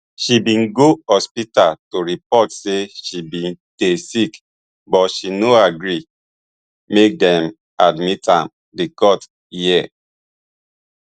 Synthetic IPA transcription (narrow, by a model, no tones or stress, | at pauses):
ʃibĩnɡoɔspitaltoɹip̚ɔtseʃibĩntesik | bɔtʃinoaɡɹi | mek̚dɛ̃m | admitʰãm | dekɔt | jɛ